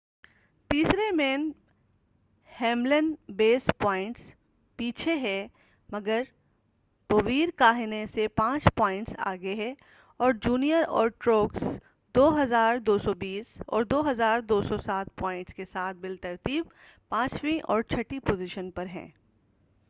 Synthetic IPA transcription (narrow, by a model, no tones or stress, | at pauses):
t̪iːsɾemẽːn | hɛ̃ːmlənbeːspɔːɪ̃ɳʈs | piːt͡ʃʰeɦɛ̃ | mɐɡəɾ | b̥oʋiːɾkaːɦɪnẽsepãːt͡ʃpɔːɪ̃ɳʈsa̰ːɡeɦɛ | ɔːɾd͡ʒuːnijəɾɔ̰ːɾʈɾoːks | d̪oːɦɐzaːɾd̪oːsɔbiːsɔ̰ːɾd̪oːɦɐzaːɾd̪oːsɔsaːt̪̚pɔ̃ːɪ̃ɳʈskesaːt̪̚ʰbɪlt̪ɐɾt̪iːb | pãːt͡ʃwĩʔɔ̰ːɾt͡ʃʰɐʈipoːzɪʃənpɐɾɦɛ̰̃ː